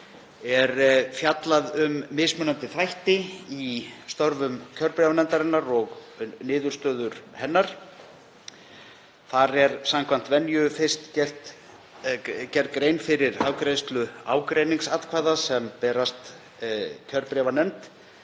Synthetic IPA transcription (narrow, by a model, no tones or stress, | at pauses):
ɛɾfjat̪laðʏmːɪsmʏnːant̪ɪθɾajht̪ɪist̪ɔɾvʏmcʰœɾpɾɛːvanɛmnt̪aɾɪnːaɾɔɣnɪːðʏɾ̥st̪œːðʏɾ̥hɛnːaɾ̥ | θaɾɛɾ̥samkʰvan̥t̪vɛnjʏfɪ̥st̪cɛl̥t̪ | cɛɾt̪kɾejnfɪɾɪɾaːwkɾejst̪lʏa̰ːwkɾejniŋsat̪kʰvaːjðasɛmpɛːɾast̪ | cʰœɾpɾɛːvanɛmt̪